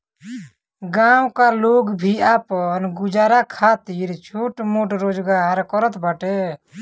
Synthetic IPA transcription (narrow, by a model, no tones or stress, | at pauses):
ɡawkaloːɡbʱiaːpɔnɡʊd͡ʒaːɾakʰat̪iɾt͡ʃʰoʈmoːʈɾoːd͡ʒɡaɾkɔɾət̪baʈe